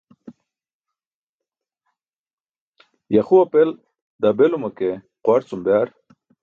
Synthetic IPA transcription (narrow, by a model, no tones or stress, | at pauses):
jaχuɐpel | d̪abelumake | qwaɾt͡sumbjaɾ